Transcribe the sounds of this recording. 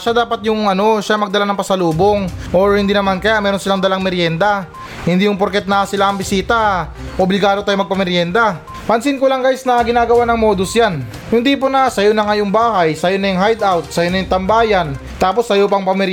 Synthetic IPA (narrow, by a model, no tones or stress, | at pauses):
ʃad̪aːpɐt̪̚jʊŋʔɐno̞ʃamɐɡ̚d̪ɐlanɐŋpɐsɐluːboŋʔo̞ɹhɪnd̪iːnɐmankɐjamɛːɾo̞nsɪlaŋd̪ɐlaŋmɛɾjɛnd̪ɐ | hɪnd̪ijʊŋpoɾkɛt̪̚nɐsɪlaɐŋbɪsiːt̪ɐʔoblɪɡaːd̪ot̪aːjomɐɡ̚pɐmɛɾjɛnd̪a | pɐnsɪnkolaŋɡaːjsnɐɡɪnaːɡɐwanɐŋmoːd̪osjan | hʊnd̪iponasɐjonɐŋɐjʊŋbaːhajsɐjonɐjʊŋɦajd̪awt̪̚sɐjonɐjʊŋt̪ɐmbaːjan | t̪aːpo̞sːɐjop̬ɐŋpɐmɛɾ